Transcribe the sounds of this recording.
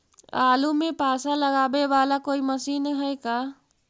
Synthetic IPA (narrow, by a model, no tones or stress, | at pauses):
aːlumẽpaːsaləɡaːbeʋaːlakoːiməsiːnɦɛjkaː